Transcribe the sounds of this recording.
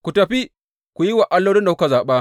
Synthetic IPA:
kʷu˨tɐ˨ɸi˦ | kʷu˨ji˦wa˨ʔa˦lːo˦ɽi˦nda˨ku˦ka˨zaː˨ɓaː˦

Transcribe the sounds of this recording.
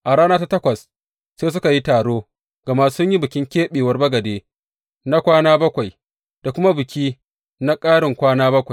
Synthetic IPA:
ʔa˨ɽaː˦naː˦ta˦tɐ˦kʷɐ˨s | seː˦s̬ʊ˦ka˨ji˦taː˨ɽoː˦ | ɡ̥ɐ˨ma˦sʊ˦ɲji˦bʊ˨kʲɪ˦ŋkʲeː˦ɓeː˨wɐ˦rbɐ˦ɡɐ˨deː˦ | na˦kʷaː˦naː˦bɐ˦kʷa˨j | d̥a˨kʷʊ˦ma˦bɪ˨kʲiː˦ | na˦kʼaː˦ɽɪ˨ŋkʷaː˦naː˦bɐ˦kʷa˨j

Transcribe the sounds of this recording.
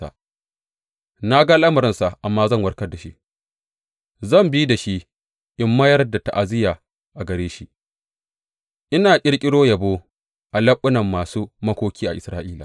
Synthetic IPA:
a̰˨ | na˦ɡa˦ʔa˦lʔa˦mɐ˨ɾɪ˦nsa˨ʔʔa˨mːaː˦zɐ˦˨ŋwɐ˦rkɐ˦da˨ʃi˦ | zɐ˦˨mbiː˦da˨ʃi˦ | ʔɪ˦mːɐ˦jɐ˦rda˨ta̰˨ʔa˨zɪ˦jaː˨ | ʔa˨ɡɐ˨ɾeː˦ʃi˦ | ʔɪ˦naː˨kʲʼɪ˦ɽkʲʼɪ˦ɽoː˦jɐ˨boː˦ | ʔa˨lɐ˦ɓʼːʊ˦nɐ˨mːaː˨suː˦mɐ˦kʷoː˦kʲiː˦ʔa˨ʔɪ˨sɾaː˦ʔiː˦la̰˨

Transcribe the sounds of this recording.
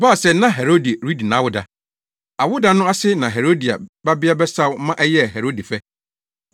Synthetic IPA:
baː˦˨sɛ˨˦nã˦ɦɛ˨ɾo˦di˨ɾi˦di˨nã˦wʊ˦da˨ | a˨wʊ˦da˨nʊ̃˦a˦sɪ˦nã˨ɦɛ˨ɾo˦di˨a̰˨ba˦bɪ˦a˦bɛ˦sa˦wmã˦ʔɛ˦jɛ˦˨ɦɛ˨ɾo˦di˨fɛ˦

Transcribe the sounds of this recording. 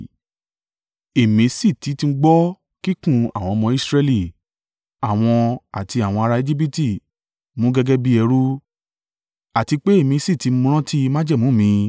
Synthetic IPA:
e˨mĩ˨˦si˦˨ti˨˦ti˧˦ɡ͡bɔ˦ | ki˦kũ˦˨a̰˨w̃ɔ̃˧mɔ̃˧i˦sɾe˧li˨ | a˨w̃ɔ̃˧a˨ti˧a˨w̃ɔ̃˧a˧ɾa˧e˧d͡ʒi˦p̬i˦ti˦˨ | mũ˨˦ɡɛ˦ɡɛ˦bi˦ɛ˧ɾu˦ | a˨ti˧k͡pe˦e˦˨mĩ˧˦si˦˨ti˨˧˦m̩˦ũ˦ɾ̃ã˦ti˦˧mã˦d͡ʒɛ˦˨mũ˨˦˨mĩ˧˦

